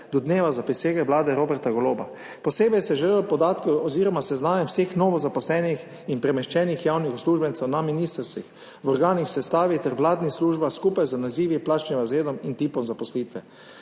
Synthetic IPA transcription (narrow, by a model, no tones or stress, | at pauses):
d̪ɔd̪neːʋazapiseːɡɛʋlaːd̪ɛɾoːbɛɾt̪aɡɔloːba̰ | pɔseːbɛjsɛʒɛlelpɔd̪aːt̪kɛɔziɾɔmasɛznaːnɛwseːxnɔʋɔzapɔslɛːnix | inpɾɛmɛʃt͡ʃɛːnixjawnixɔsluʒbɛnt̪sɛwnaminiːst̪ɾst̪ʋix | ʋɔɾɡaːnixwsɛst̪aːʋit̪ɛɾʋlaːd̪nisluːʒbaskupajzanaziːʋiplaːt͡ʃnimazeːd̪ɔmint̪iːpɔmzapɔsliːt̪ʋɛ